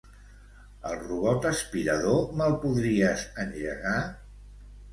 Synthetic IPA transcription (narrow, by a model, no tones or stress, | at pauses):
əlˠruβɔt̪əspiɾəðoməlˠpuðɾiəsənʎəɣa